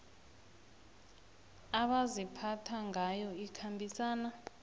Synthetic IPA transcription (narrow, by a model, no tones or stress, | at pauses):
aɓazipʰatʰaŋʱajɔikʰambʱisaːna